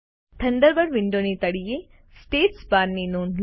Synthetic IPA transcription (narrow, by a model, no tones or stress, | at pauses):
t̪ʰɐnɖ̪əɾbɐɾʋɪɳɖoːnit̪ɐɽijeː | sʈeːʈspaːɾninuːnl